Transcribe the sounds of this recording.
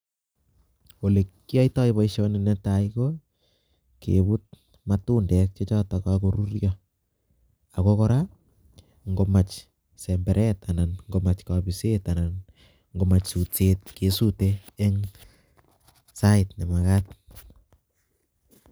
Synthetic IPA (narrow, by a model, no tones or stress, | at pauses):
wolekːiaitajβaiʃonɪnɛtaiko | kḛbut̚ | matundɛk̚t͡ʃot͡ʃatakakoɾuɾja | akokɔɾa | ŋɡomat͡ʃ | sɛmbɛɾʔɛtananŋɡomat͡ʃkabisetanan | ŋɡomat͡ʃsut͡set̚kesuteːŋ | saɪtnemakat̚